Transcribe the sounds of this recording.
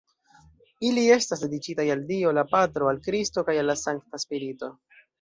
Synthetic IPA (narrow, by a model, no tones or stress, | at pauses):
ilie̞stasde̞dikitajaldio̞lapatɾo̞alkɾisto̞kajalːasaŋktaspiɾito̞